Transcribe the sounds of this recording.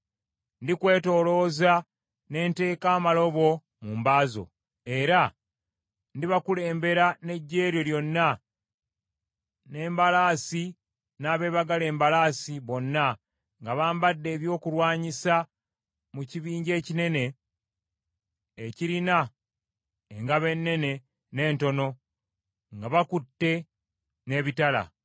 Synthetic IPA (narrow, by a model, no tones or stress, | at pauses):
ndikwe̞ːto̞ːlo̞ːza | ne̞ːnte̞ːkaːmalo̞βo̞ | muːmbaːzo̞̰ | e̞ɾa | ndiβakule̞ːmbe̞ɾane̞ɟːe̞ːɾjo̞ljo̞nːa | ne̞ːmbalaːsi | naːβe̞ːβaɡale̞ːmbalaːsiβo̞nːa | ŋɡaβaːmbadːe̞ːβjo̞ːkuɾwaːɲisa | muciβiːɲɟe̞ːcine̞ne̞ | ciɾina | eŋɡaβe̞nːe̞ne̞ | ne̞ːnto̞no̞ | ŋɡaβakutːe̞ | ne̞ːβitala̰